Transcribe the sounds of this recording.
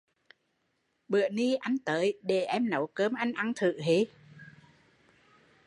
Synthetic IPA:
ɓɨ̰˧˨əni˧ʔa˧jŋ̟t̪əː˨˦jɗe˨˩ʔɛ˧mnə˨˦wkəː˧˦mʔa˧jŋ̟ʔa˧ŋt̪ʰɨ̰˧˨ɦi˨˦

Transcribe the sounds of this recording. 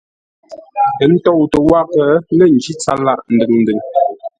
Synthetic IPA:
tə˨˦n̩˦tɔ˦˨wtə˨wa˦pə˨˦lə˦˨n˨d͡ʒi˦t͡sa˦la˦ʔn̩˨dɨ˨ŋn̩˨dɨ˨ŋ

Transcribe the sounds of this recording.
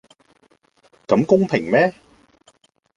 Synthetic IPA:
kɐ˨˧˥mkʊ˥ŋpʰɪ˨˩ŋmɛː˥

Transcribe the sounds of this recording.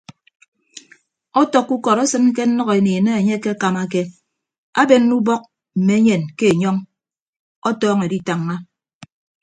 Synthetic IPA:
ɔ˦tɔ˨kːu˦kɔ˨ɾɔ˦sɨ˦n˦ke˦n̩˦nɔ˦ɣe˨neː˨ne˦e˨ɲe˦ke˦ka˨ma˦ke˦ | a˦be˨nː˦u˦bɔ˦k̚ | m̩˨me˨˦ɲe˨nke˦e˨ɲɔ˦ŋ | ɔ˦tɔː˦ŋe˨di˦ta˨ŋːa˦

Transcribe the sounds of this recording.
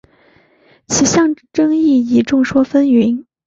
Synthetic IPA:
t͡ɕʰi˨˩ɕjɑ˥˩ŋʈ͡ʂɤ˥ŋi˥˩i˨˧˥ʈ͡ʂʊ˥˩ŋʂwɔ˥fə˥ni˧˥n

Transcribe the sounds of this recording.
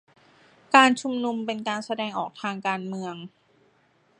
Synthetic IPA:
kaː˧nt͡ɕʰu˧mnu˧mpe˧nkaː˧nsa˧dɛː˧ŋʔɔː˨˩k̚t̪ʰaː˧ŋkaː˧nmɯ˧əŋ

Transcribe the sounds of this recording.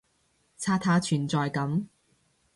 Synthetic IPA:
t͡sʰaː˧t̪ʰaː˨˧t͡ʃʰyː˨˩nt͡sɔː˨jkɐ˨˥m

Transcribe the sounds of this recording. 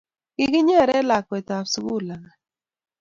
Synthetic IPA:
ɡɪ˦ɡɪ˦ɲe˦˨ɾɛ˦la˨ke˨ta˨fsu˨bu˦˨la˨ŋa˨

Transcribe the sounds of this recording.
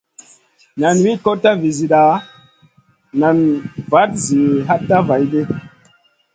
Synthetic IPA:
na˨nwi˦ko˦ta˦vi˨zi˨ɗa˨ | na˨nva˨˦t̚zi˨ɦa˦tːa˦va˨˦jde˦

